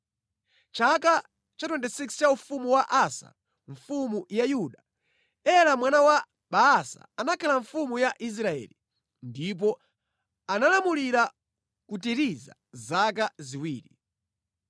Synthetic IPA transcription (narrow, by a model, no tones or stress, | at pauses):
t͡ʃaka | t͡ʃatwɛntɛsikst͡ʃaufumuwaʔasa̰ | ɱ̩fumujajuɗa | ɛlamwanawa | ɓaːsa̰anakʰalaɱfumujaʔis̬ɾaɛ̰ːli | ndip̬ɔ | analamuliɾa | kutiɾiza̰ | zakaziwiːɾi